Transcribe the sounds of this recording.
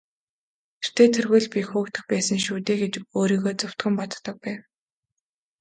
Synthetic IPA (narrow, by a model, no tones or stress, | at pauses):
ter̥t̪ʰeːt̪ʰerɣʊ̆ːɮpʲixuːkt̪ə̆xpæːsə̆ŋʃuːt̪eːɡet͡ɕoːɾiːɣoːt͡sʊw̥t̪ɡə̆mpɔt̪t̪ə̆k̚pæːw